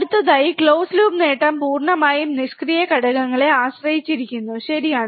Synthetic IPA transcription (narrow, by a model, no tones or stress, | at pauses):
ɽut̪ːɐðaːjikɭoːsluːbneːʈːɐmpuːrɳɐmaːjumniskrijɐkɐɽɐɣɐŋːɐɭe̞aːɕrɐjit͡ɕːiɾikʲːunːuɕɐɾijaːɳɨ